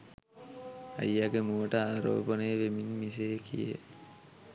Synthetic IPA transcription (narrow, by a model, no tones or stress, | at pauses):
a̰jːaɡemuʋəʈəaːɾo̰ːbənəjəʋeminmisejkʰijḛ